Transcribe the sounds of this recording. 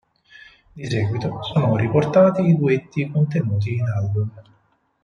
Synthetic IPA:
d̪isɛːɡwit̪osoːnoriport̪aːt̪iːd̪uet̪ːikont̪enuːt̪̬iːnalbum

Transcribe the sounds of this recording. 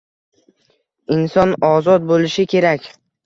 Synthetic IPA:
ɪnsɒnɒzɒt̪̚bolɪʃɪkʲʰe̞ɾakʲ

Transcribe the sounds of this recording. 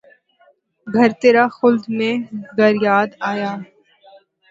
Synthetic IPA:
ɡʱɐɾt̪eːɾaxʊld̪mẽɡɐɾjaːd̪aːjaː

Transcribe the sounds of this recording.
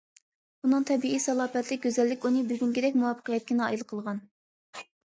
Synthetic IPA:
bunɨŋt̪ʰɛbiisɑlˠɑːpɛt̪lɪk̚ʲɡʲøzɛlːɪkʲunɨbyɡʲynkʲid̪ɛk̚ʲmuwɑpʰːə̥qʰijɛt̪̚kʲinɑ̰ilˠqʰəlˠʁɑn

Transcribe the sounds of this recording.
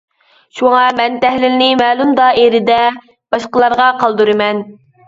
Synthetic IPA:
ʃuŋɑmɛnt̪ɛhlɪlnɪmɛːlˠumd̪ɑʔeɾɪd̪ɛ | b̥ɑʃqəlˠɑɾʁɑqʰɑlˠd̪uɾɨmɛn

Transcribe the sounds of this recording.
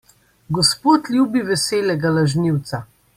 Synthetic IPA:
ɡɔspoːt̪lʲjuːbiʋɛseːlɛɡalaʒniwt̪sa

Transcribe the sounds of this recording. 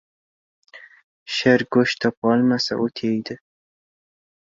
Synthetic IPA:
ʃɪɾɡoʃt̪ʰɒpɒlˠmasa̰ʔot̪ʰejd̪ɪ

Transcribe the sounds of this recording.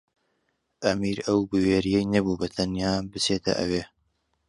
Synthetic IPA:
ʔɐmiːɾɐwbɨweːɾijɛjnɐbuːbɐt̪ʰɐnjaːbɨt͡seːt̪ʰɐ̰ʔɐ̰weː

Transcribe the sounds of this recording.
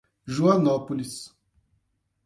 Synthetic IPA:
ʒuãnɔpolis

